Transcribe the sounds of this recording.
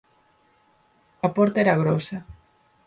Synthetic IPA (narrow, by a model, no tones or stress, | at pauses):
ɐpɔɾt̪aeɾɐɣɾɔsɐ